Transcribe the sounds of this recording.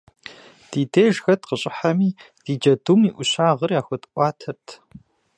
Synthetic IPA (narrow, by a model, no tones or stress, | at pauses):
d̥iːdeːʒxɐtqəɕʼɪħamiː | d̥iːd͡ʒɐdumiːʔʷʊɕaːʁərjaːxʷɐtʔʷʼɑːtʰɐrtʰ